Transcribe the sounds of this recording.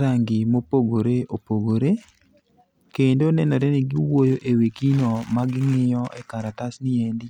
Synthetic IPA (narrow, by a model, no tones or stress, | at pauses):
ɾaŋɡɪmopoɡoɾeopoɡoɾe | kendonɛnɛɾɛnɪɡɪwojoʔewekinɔmaɡɪŋɪjɔʔɛ̰kaɾatasnɪɛndi